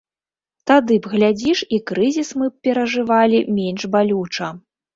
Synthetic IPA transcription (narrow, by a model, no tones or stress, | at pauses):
t̪ad̪ɨbɣlʲad͡zʲiʂikɾɨzʲismɨpʲɛɾɐʐɨvalʲimʲenʐbalʲut͡ʂɐ